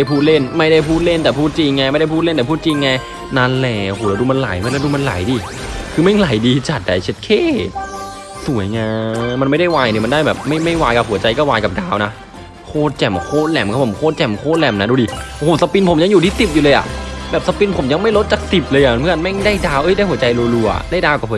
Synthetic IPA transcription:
a˥˩jpʰuː˥˩t̪̚le˥˩nma˥˩jda˥˩jpʰuː˥˩t̪̚le˥˩nt̪ɛː˨˩pʰuː˥˩t̪̚t͡ɕi˧ŋːaː˧ma˥˩da˥˩jpʰuː˥˩t̪̚e˥˩nt̪ːpʰuː˥˩t̪̚t͡ɕi˧ŋːaː˧ | na˧˩nlɛː˧˩ɦu˨˩˦la˧duː˧ma˧nla̰˩˦jma˧˥˩la˧˩duː˧ma˧nla̰˨˩˦jdiː˧˩ | kʰɯː˧mɛ˥˩ŋla˨˩˦jdiː˧t͡ɕa˨˩t̪̚da̰˨˦jt͡ɕʰe˦˥t̪̚kʰeː˥˩ | su˨˩˦jŋaː˧ma˧nma˥˩jda˥˩jwaː˧jt̪ʰi˨˩ma˧ndaː˥˩jbɛː˨˩p̚ma˥˩jma˥˩jwaː˧jka˧˩hu˨˩˦t͡ɕa˧jkɔː˥˩waː˧jka˨˩daː˧wna˦˥ | kʰoː˧˥˩t̪̚t͡ɕɛ˨˩mkʰoː˧˩lɛ˧˩mkʰaː˥˧˩pʰo˩˦kʰoː˥˩t̪̚t͡ɕɛ˨˩mkʰoː˧˩lɛ˧˩mna˦˥duː˧diː˧ʔo˧oː˨˦˩sa˧pi˧npʰo˩˦mja˧ŋjuː˨t̪ʰiː˥˩si˨˩p̬̚juː˨˩lɤː˧jʔa̰˨˩bɛː˨˩p̚sa˧pi˧npʰo˨˩˦mja˧ŋma˥˩jlo˦˥t̪̚t͡ɕaː˨˩k̚si˨˩p̚lɤː˧jʔa˨˩m˧nmʰɯ˥˩˨ə˧nma˥˩ŋdaː˥˩jdaː˧wʔɤ˧˥jda˥˩jhu˩˦t͡ɕa˧jluː˧lu˧ʔa̰˨˩ʔdaː˥˩jdaː˧wka˨˩phu˩˦

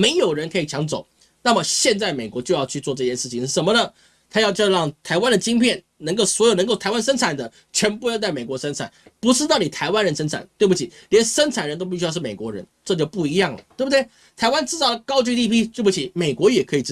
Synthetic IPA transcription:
me˧˥ɪjo˨˩ʊɻə˧˥nkʰɤ˧˥i˨˩t͡ɕʰjɑ˧˥ŋt͡so˨˦ʊ | na˥˩mə˩ɕjɛ˥˧nt͡sa˥˩ɪme˨˩ɪkwɔ˧˥t͡ɕjo˥˧ʊjɑ˥˧ʊt͡ɕʰy˥˧t͡swɔ˥˧ʈ͡ʂɤ˥˧ɕjɛ˥˧ʂɻ̩˥˩t͡ɕʰi˨˦n˥˩ʂə˧˥mə˧nə˧ | t̪ʰa˥jɑ˥˧ʊt͡ɕjɑ˥˧ʊɻɑ˥˩ŋt̪ʰa˧˥ɪwa˦˥nd̪ə˨t͡ɕi˥ŋpʰjɛ˥˩n | nə˧˥ŋko˥˩ʊswɔ˧˥jnə˧˥ŋko˥˩ʊtʰa˧˥ɪwa˥nʂə˥nt͡sʰa˨˩nd̪ə˦ | t͡ɕʰɥɛ˧˥npu˥˧jt̪a˥˩ɪme˨˩ɪkwɔ˧˥ʂə˥nt͡sʰa̰˨˩npu˧˥ʈ͡ʂɻ̩˥t̪ɑ˥˩ʊni˨˩t̪ʰa˧ɪwa˥nɻə˧˥nʂə˥nt͡sʰa̰˨˩nt̪we˥˩ɪbu˧˩t͡ɕʰi˨˩ljɛ˧˥nʂə˥nʈ͡ʂʰa˨˩nɻə˦nt̪o˥ʊpi˥˩ɕjʊʂɻ̩˥˩me˨˩kwɔ̰˧˥ɻə̰˧˦nʈ͡ʂɤ˥˧t͡ɕjo˥˧ʊpu˥˩i˧˥jɑ˥˩ŋlə̰˩t̪we˥˩bu˩d̪we˥˩ɪ | t̪ʰa˧˥ɪwa˥˦nʈ͡ʂɻ̩˥˧˩t͡sɑ˥˩ə˩kɑ˥ʊt͡ɕi˥t̪i˥˧˩pʰi˥t̪we˥˩bu˥˩t͡ɕʰi˨˩me˨˩ɪkwɔ˧˥jɛ˨˩kʰɤ˧˥i˨˩˥

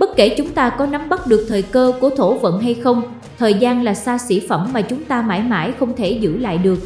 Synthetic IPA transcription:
ɓə˦˥t̚ke˧˩t͡ɕʊ˨˦ŋ͡mt̪aː˧kɔ˨˦na˨˦mɓə˦˥t̚ɗɨ˨˩ək̚t̪ʰəː˨˩jkəː˧ku˧˩ət̪ʰo˧˩və̰˧˨nɦa˧jxə˧wŋ͡m | t̪ʰəː˨˩jzaː˧nlaː˨˩saː˧sḭ˧˩fə˧˩mːaː˨˩t͡ɕʊ˨˦ŋ͡mt̪aː˧ma̰ː˧˥˩jma̰ː˧˥jxə˧wŋ͡mt̪ʰe˧˩zɨ̰˧˥la̰ː˧˨jɗɨ˨˩ək̚

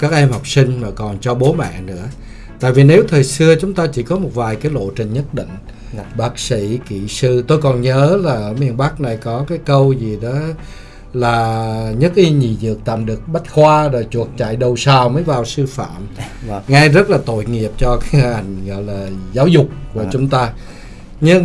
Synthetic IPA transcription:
kaː˦˥k̚ʔɛ˧mhɔ˨˩wk͡p̚sï˧ŋ̟maː˨˩kɔ˨˩nt͡ɕɔ˧ɓo˨˦ma̰ː˧˨nɨ̰˧˥ə | t̪a̰ː˧˨jvi˨˩ne˨˦wt̪ʰəː˨˩jsɨ˧ət͡ɕʊ˨˦ŋ͡mt̪aː˧t͡ɕi˧˩kɔ˨˦mo˨˩t̚vaː˨˩jkaː˨˦jlo̰˧˨t͡ɕï˨˩ŋ̟ɲə˦˥t̚ɗḭ˧˨ŋ̟ | ɓaː˦˥k̚sḭ˧˩˥kḭ˧˨sɨ˧t̪o˧jkɔ˨˩nɲəː˨˦laː˨˩ʔəː˧˩mi˨˩ənɓa˦˥k̚na˨˩jkɔ˨˦kaː˨˦jkə˧wzi˨˩ɗɔ˨˦ | laː˨˩ɲə˦˥t̚xi˧ɲi˨˩zɨ̰˨˩ək̚t̪a̰ː˧˨mɗɨ˨˩ək̚ɓa˦˥t̚xwaː˧zo˨˩jt͡ɕu˨˩ək̚t͡ɕa̰˧˨jɗə˨˩wsaː˨˩wməː˨˦jvaː˨˩wsɨ˧fa̰ː˧˨m | ŋa˧jzə˦˥t̚laː˨˩t̪o̰˧˨jŋi˨˩əp̚t͡ɕɔ˧kaː˨˦hha˨˩jŋ̟ɣɔ̰˧˨jlaː˨˩zaː˨˦wzʊ˨˩k͡p̚ku˧˩ət͡ɕʊ˨˦ŋ͡mt̪aː˧ | ɲɨ˧ŋ

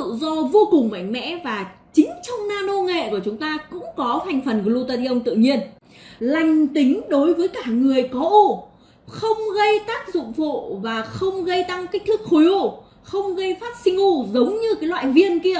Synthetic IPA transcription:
ɨ̰˧˨zɔ˧vo˧kʊ˨˩ŋ͡mma̰˧˨jŋ̟mɛ̰˧˥vaː˨˩t͡ɕï˨˦ŋ̟t͡ɕɔ˧wŋ͡mnaː˧no˧ŋḛ˧˨ku˧˩ət͡ɕʊ˨˦ŋ͡mt̪aː˧kʊ̰˧˥ŋ͡mkɔ˨˦ha˨˩jŋ̟fə˨˩nklu˧t̪aː˧t̪i˧ʔə˧wŋ͡mt̪ɨ̰˧˨ɲi˧ən | la˧jŋ̟t̪ï˨˦ŋ̟ɗo˨˦jvəː˨˦jkaː˧˩ŋɨ˨˩əjkɔ˨˦ʔo˧˩ | xə˧wŋ͡mɣə˧jt̪aː˦˥k̚zʊ̰˧˨ŋ͡mfo̰˧˨vaː˨˩xə˧wŋ͡mɣə˧jt̪a˧ŋka˦˥k̟̚t̪ʰɨ˦˥k̚xo˨˦jo˧˩ | xə˧wŋ͡mɣə˧jfaː˦˥t̚sï˧ŋ̟u˧zə˨˦wŋ͡mɲɨ˧kaː˨˦jlwa̰ː˧˨jvi˧ənki˧ə

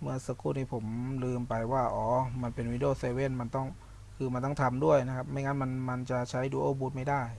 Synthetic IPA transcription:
mɯ˥˩əsaː˧kʰuː˥˩niː˥˩pʰo˩˦mlɯː˧mpa˧jwaː˥˩ʔɔː˨˩˦ma˧npe˧nwi˧˥ndoː˥˩seː˧we˥˩nma˧nt̪ɔ˥˩ŋ | kʰɯː˧ma˧nt̪ɔ˥˩ŋt̪ʰa˧mdu˥˩əjna˦˥kʰa˦˥p̚ma˥˩jŋaː˦˥nma˧nma˧nt͡ɕa˨˩t͡ɕʰa˦˥jduː˧ʔoː˧˩buː˧˦˥t̪̚ma˥˩jdaː˥˩j

